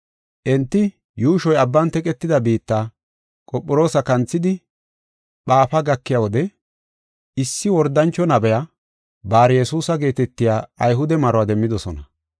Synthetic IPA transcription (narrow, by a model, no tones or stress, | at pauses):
ʔɛnt̪ːɪ | juːʃɔjɐbːɐnt̪ɛkʼɛt̪ːɪd̪ɐbiːt̪ːa | kʼɔpʼːɔɾo̞ːsɐkɐnt͡sːɪd̪ɪ | ɓaːfɐɡɐkːɪjawɔd̪ɛ | ɪsːɪwɔɾd̪ːɐnt͡ʃːɔnɐbɛja | baːɾjɛsuːsɐɡe̞ːt̪ɛt̪ːɪjaːɐjɦʊd̪ɛmɐɾɔwaːd̪ɛmːɪd̪ɔsɔnɐ